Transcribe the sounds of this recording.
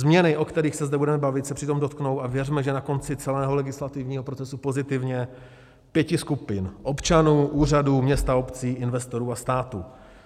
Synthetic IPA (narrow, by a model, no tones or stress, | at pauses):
zmɲɛnɪʔo̞kt̪ɛɾiːxsɛzdɛbudɛmɛbavɪt̪sɛpr̝̥ɪt̪omdo̞t̪kno̞wʔavjɛrmɛʒɛnako̞nt͡sɪt͡sɛlɛːɦo̞lɛɡɪslat̪ɪvɲiːɦopɾot͡sɛsupo̞zɪt̪ɪvɲɛ | pjɛcɪskupɪnʔo̞pt͡ʃanuːʔuːr̝aduːmɲɛst̪aopt͡siːʔɪnvɛst̪o̞ɾuːast̪aːt̪uː